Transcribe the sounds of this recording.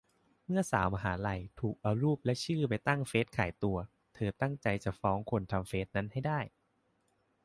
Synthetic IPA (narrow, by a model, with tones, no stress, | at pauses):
mɯ˥˩ɐsa̰ː˩˦ma˧ɦaː˩˦la˧jt̪ʰuː˨˩k̚ʔa˧wɾuː˥˩p̚lɛ˦˥ʔt͡ɕʰɯː˥˩pa˨˧jt̪a˥˩ŋfeː˦˥t̪̚kʰa̰ː˩˦jt̪u˧ɐ | t̪ʰɤː˧t̪a˥˩ŋt͡ɕa˧jt͡ɕa˨˩fɔː˦˥ŋkʰo˧nt̪ʰa˧mfeː˦˥t̪̚na˦˥nha˥˩jdaː˥˩j